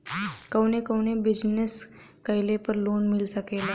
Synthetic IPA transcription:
kəwnekəwnebid͡ʑnes | kəjlepəɾloːnmɪlsəkela

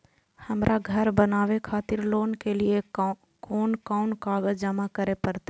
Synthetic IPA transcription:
həmɾʔaɡʱəɾbənaːʋekʰaːt̪ɪɾloːnkelie | koːnkaʊnkaːɡəd͡ʒəmakəɾepəɾt̪e

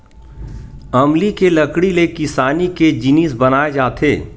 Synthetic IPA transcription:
ɐmlikelɐkɽilekɪsaːniked͡ʒɪnisbɐnaːed͡ʒaːt̪ʰeː

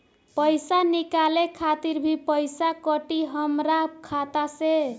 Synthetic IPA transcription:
pʌjsanikalekʰat̪iɾbʱipəjsakʌʈiɦʌmɾakʰat̪ase

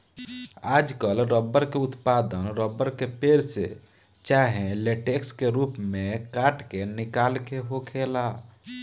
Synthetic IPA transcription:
aːd͡ʒkəlɾəbːəɾkeut̪pad̪ənɾəbːəɾkepeɾsḛ | t͡ʃaɦẽleʈekskeɾupmẽkaʈkenikalkeɦokʰela

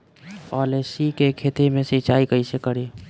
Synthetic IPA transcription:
pɔlesikekʰet̪imesit͡ʃaikəjsekəɾi

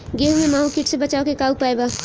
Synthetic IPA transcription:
ɡeːɦmẽmaːɦukiʈsebɐt͡ʃaːokekaːupaːeɡaː

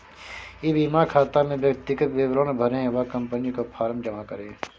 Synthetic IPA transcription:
iʋiːmakʰaːt̪amẽʋjɐk̚t̪ɪkət̪ʋeːʋɾoːnbʱəɾẽʋakɐ̃mpənikopʰaːɾəmd͡ʒəmakəɾẽ

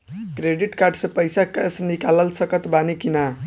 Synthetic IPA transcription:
kɾeɖiʈkaɾɖsʌpəjsakesnikaləlsʌkət̪banikina

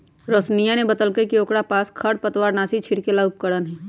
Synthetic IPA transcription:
ɾoːsnijanebət̪əlkəkioːkɽapaːskʰɐɽpət̪waːɾnaːsit͡ʃʰɪɽkelaʊp̚kəɽənɦɛː

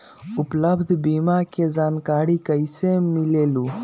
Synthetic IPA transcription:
upləbd̪ʱbiːmakezaːnkaːɽikɐjsemileːlu

